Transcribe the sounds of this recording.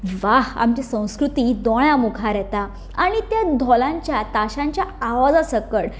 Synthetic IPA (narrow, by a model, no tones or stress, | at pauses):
ʋaɦa̰mt͡ɕisə̃w̃skɾut̪id̪ɔɭjamukʰaɾɛt̪a | aɽ̃it̪jad̪ʱɔlãɲt͡ɕjat̪aɕãɲt͡ɕjaaʋad͡zasəkəɽ